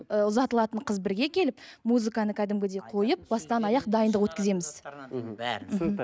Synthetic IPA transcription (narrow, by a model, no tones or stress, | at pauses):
əʊzɑt̪əlˠɑt̪əɴqʰəzbɪɾɡʲe̞kʲʰe̞lɪpmuzɨkanəkʲʰæd̪ɪmɡʲɪd̪e̞qʰo̞jəp̚bɑst̪ɑnɑjɑqd̪ɑjənd̪əqwɵt̪kʲɪze̞mɪz̥ | m̩